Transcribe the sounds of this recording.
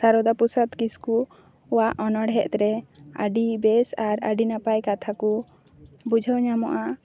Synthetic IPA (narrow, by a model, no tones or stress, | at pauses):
saɾɔd̪apusat̪kiskuː | waʔɔnɔɽɦɛʔt̪ɾɛaɖibɛsaɾə̰ɖinapajkat̪ʰaku | bud͡ʒʱɔwɲamɔʔa